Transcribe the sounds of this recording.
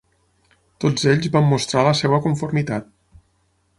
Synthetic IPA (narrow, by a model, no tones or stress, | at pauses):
t̪od͡zeʎzβamːust̪ɾaləseβəkuɱfuɾmit̪at̪̚